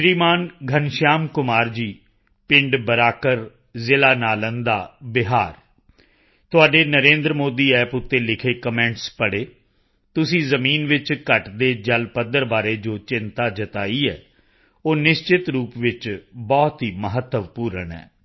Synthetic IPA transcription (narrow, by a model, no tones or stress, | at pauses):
ʃɾiːmaːnɡʱənʃaːmkʊmaːɾd͡ʒiː | pɪ̃ɳɖbəɾaːkəɾ | zɪlaːnaːlənd̪aːbɪɦaːɾ | t̪ʊaːɖeːnəɾẽːnd̪ɾəmoːd̪iːɛːpʊt̪ːeːlɪkʰeːkəmɛ̃ːɳʈspəɽeː | t̪ʊsĩːzəmiːnʋɪt͡ʃkəʈd̪eːd͡ʒəlpəd̪əɾbaːɾeːd͡ʒoːt͡ʃɪnt̪aːd͡ʒət̪aːiːɛ̰ː | oːnɪʃt͡ʃɪt̪ɾuːpʋɪt͡ʃbɔːt̪ɦiːməɦət̪ːəʋpuːɾəɳɛ̰ː